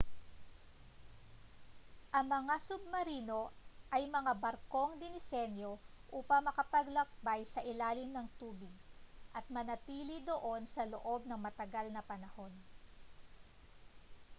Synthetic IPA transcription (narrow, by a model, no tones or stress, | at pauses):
ʔɐŋmɐŋasʊb̚mɐɾiːno̞ʔɐjmɐŋabɐɾko̞ŋd̪ɪnɪsɛnjo̞ʔuːpɐŋmɐkɐpɐɡlɐk̚bajsɐʔɪlaːlɪmnɐŋt̪uːbɪɡ̚ʔɐt̪̚mɐnɐt̪iːlid̪o̞ʔo̞nsɐlo̰ʔo̞b̚nɐŋmɐt̪ɐɡalnɐpɐnɐho̞n